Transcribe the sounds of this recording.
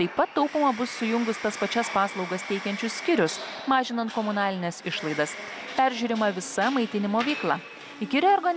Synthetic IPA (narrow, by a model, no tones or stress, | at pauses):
t̪ɐɪppːɐt̪ːɐʊpomɐbʊsːʊjʊŋɡʊst̪ɐspɐt͡ʃʲɛspɑːslˠɒʊɡɐst̪ʲɛɪkʲɛnʲt͡ʃʲʊssʲkʲɪɾʲʊsmɑːʒʲɪnɐnt̪̚komʊnɑːlʲɪnʲɛsɪʃlˠɐɪd̪ɐs | pʲæˑɾʲʒʲuːɾʲɪmɐʋʲɪsɐmɐɪt̪ʲɪnʲɪmoːʋʲiːklˠɑː | ɪkʲɪɾʲɛoɾɡɐnʲ